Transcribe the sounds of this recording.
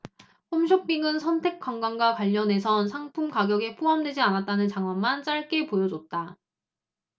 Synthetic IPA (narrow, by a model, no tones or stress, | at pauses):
pomɕ̬ʰʌk̚p͈iŋɯnsʰʌntʰe̞k͈waŋɡaŋɡwakwaʎːʌnɦe̞sʰʌnsʰaŋpʰumkaɡjʌɡe̞pʰoɦamdwe̞d͡ʑianat̚t͈anɯnt͡ɕaŋwanmant͡ɕ͈aɭk͈e̞pojʌd͡ʑot̚t͈a